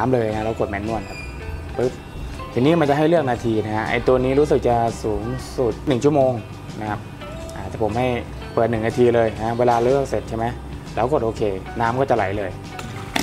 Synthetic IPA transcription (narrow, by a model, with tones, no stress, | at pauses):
aː˨˦mlɤː˧jna˦˥lɛː˧˦˥wko˨˩t̪mɛ˧˩nːu˧˥˩ənkʰa˦˥p̚ | ʔɯ˦˥p̚ | t̪ʰiː˧˩niː˦˥˨ma˧nt͡ɕa˨˩ɦa˥˩jlɯ˥˩ək̚naː˧t̪ʰiː˧na˦˥kʰa˦˥ʔa̰˧jt̪u˧ɐniː˦˥ɾuː˦˥s̬ɯ˨˩k̚t͡ɕa˨˩suː˩˦ŋsu˨˩t̪̚nɯ˨˩ŋt͡ɕʰu˥˩ə˨moː˧ŋ | na˦˥kʰa˦˥p̚ | ʔaː˨˩t̪ʰɛː˨˩pʰo˩˦mha˥˩j | pəː˨˩t̪̚nɯ˨˩ŋna˧t̪ʰiː˧lɤː˧ja˧a˦˥˩weː˧laː˧lɯ˥˩ək̚se˨˩t̪̚t͡ɕʰjma˦˥j | lɛː˦˧˥wko˨˩t̪̚ʔoː˧kʰeː˧naː˦˥mkɔː˥˩t͡ɕa˨˩la̰˨˩˦jlɤː˧j